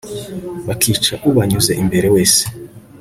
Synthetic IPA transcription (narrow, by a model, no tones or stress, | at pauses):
βakʰiːt͡ʃaʔuβaɲuze̞ʔimbe̞ɾewe̞ːse̥